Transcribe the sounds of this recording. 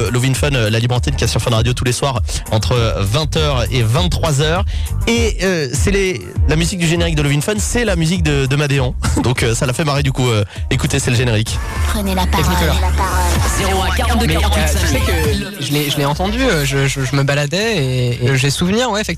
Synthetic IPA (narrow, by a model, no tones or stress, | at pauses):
lovinfɔnølalibʁɑ̃t̪id̪kʲiasyʁfɛ̃d̪ʁad̪jot̪uleswaʁɑ̰̃t̪χəvɛ̃t̪œʁevɛ̃nt̪ːχwazœːʁeøsɛle | lamyzik̚d̪yʒeneʁik̚d̪əlovinfɔnsɛlamyzik̚d̪əd̪əmad̪eɑ̃d̪ɔ̃køsalafɛmaʁed̪ykuøekut̪esɛləʒeneʁikpχənɛlap̪ikɔlaapã | ɡaʁd̪əmɛ̃t̪iʒəsɛkə | ʒəlɛʒəleɑ̃t̪ɑ̃d̪yøʒəʒəʒəməbalad̪ɛeːʒəɛsuvniʁwɛfɛkt̪